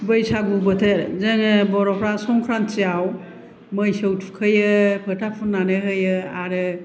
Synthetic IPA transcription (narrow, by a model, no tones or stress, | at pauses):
bɯjsaɡubɯtʰeɾzɯŋbɔɾɔpʰɾasɔŋkʰɾant͡ʃijaw | mɯjsɯwtʰu̥kʰɯjɯpʰɯtʰapʰunːanɯɦɯjɯaɾɯ